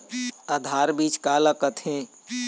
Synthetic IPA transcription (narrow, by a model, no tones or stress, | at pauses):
əd̪ʱaːɾbiːt͡ʃkaːləkət̪ʰɦẽ